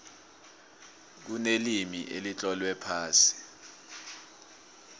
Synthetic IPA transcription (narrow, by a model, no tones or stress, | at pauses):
k̬unelimiʔḛlit͡ɬʼɔlwɛpʰaːsi̥